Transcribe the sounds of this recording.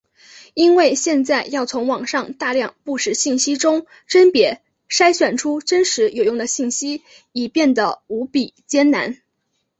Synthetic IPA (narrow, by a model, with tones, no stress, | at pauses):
i˥nwe˥˩˧ɪɕjɛ˥˧nt͡sa˥˧ɪjɑ˥˩ʊt͡sʰʊ˧˥ŋwɑ˨˩ŋʂɑ˥˧ŋt̪a˥˧ljɑ˥˧ŋpu˥˩ʂɻ̩˥˩ɕi˥˩nɕi˥ʈ͡ʂʊ˥ŋ | ʈ͡ʂə˥npjɛ˧˥ | ʂa˥ɪɕɥɛ˨˩nʈ͡ʂʰu˥ʈ͡ʂə˥nʂɻ̩˧˥jo˨˩ʊjʊ˥˩ŋd̪ə˩ɕi˥˩nɕi˥ | i˨˩pjɛ˥˩nd̪ə˩u˧˥pi˨˩t͡ɕjɛ˥nna˧˥n